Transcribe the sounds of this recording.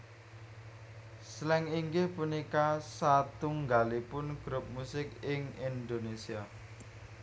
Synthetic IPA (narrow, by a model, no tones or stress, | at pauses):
slɛŋiŋɡɪhpunikasat̪uŋɡalipʊnɡ̥ɾʊp̚musɪkɪŋind̪onesia